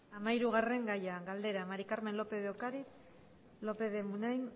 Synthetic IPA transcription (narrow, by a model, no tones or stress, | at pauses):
amaiɾuɣare̞ŋɡajaɡald̪e̞ɾamaɾikaɾme̞nlo̞pe̞ðeokaɾi | lo̞pe̞ðemunajn